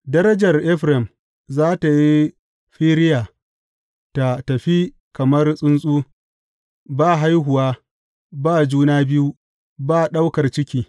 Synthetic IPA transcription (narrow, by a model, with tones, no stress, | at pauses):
dɐ˦ɾɐ˦d͡ʒɐ˨rʔɛ˦ɸɾɛ˨m | zaː˦ta˨ji˦ | ɸiː˦ɾɪ˦jaː˨ | ta˨tɐ˨ɸi˦ | kɐ˨mɐ˦rsʼʊ˦nsʼuː˦ | baː˦˨ɦa˦jɦʊ˨waː˦ | baː˦˨d͡ʒuː˦naː˦bɪ˦ju˦ | baː˦˨ɗa˦wkɐ˨rt͡ʃɪ˦kʲiː˨